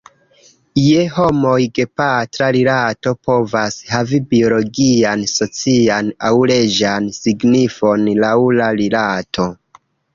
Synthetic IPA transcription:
ijeho̞mo̞jɡepatɾalilato̞po̞vashavibio̞lo̞ɡianso̞t͡sianawle̞d͡ʒansiɡnifo̞nlawulalilatʰo̞

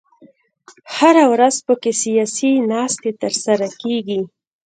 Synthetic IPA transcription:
haɾawɾazpəkesijɑsinɑst̪et̪əɾsaɾakeɡi

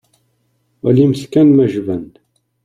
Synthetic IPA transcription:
ælimθkænmæʒvæn

